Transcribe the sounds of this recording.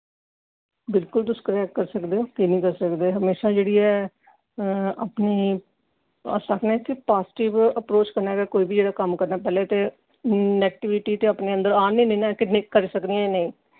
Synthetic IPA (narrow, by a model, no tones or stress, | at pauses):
bɪlkʊld̪ʊskəɾɛːkkəɾsəkd̪eːoːkinĩːkəɾsəkd̪eːɦəmeːʃaːd͡ʒeːɽiːɛː | aːpniː | a̰saknẽːt̪ʰipaːsʈɪʋəpɾoːt͡ʃkəɾnaːɡɛːkoːiːbiːd͡ʒeːɽaːkəmkəɾnaːpɛːleːt̪eː | nɛːk̚ʈɪʋɪʈiːt̪eːaːpneːə̃nd̪əɾaːnẽːnẽːnãkɪnikəɾisəkd̪iɛnəĩː